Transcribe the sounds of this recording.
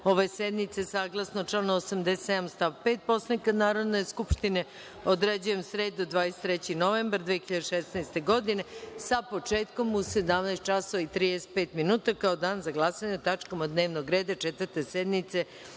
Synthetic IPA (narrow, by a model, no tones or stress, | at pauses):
o̞ʋesed̪nit̪sesaːɡlˠasnot͡ʃlanosamd̪eset̪ed̪amst̪aʋpeːt̪̚po̞slanikad̪naːɾo̞d̪ne̞jskupʃt̪ine | od̪ɾed͡ʑuje̞msɾeːd̪od̪ʋaːjese̥t̪ɾet͡ɕinoʋeːmbaɾd̪ʋexiʎad̪eʃesnajst̪eɡo̞d̪ine̞sapo̞t͡ʃeːt̪ko̞muse̞d̪amnajst̪t͡ʃasoʋait̪ɾiːd̪ese̥t̪̚peːt̪minuːt̪akao̞d̪aːnzaɡlˠasaɲet̪at͡ʃko̞mod̪neːʋnoɡɾe̞ːd̪at͡ʃet̪ʋəɾt̪e̞sed̪nit̪se̞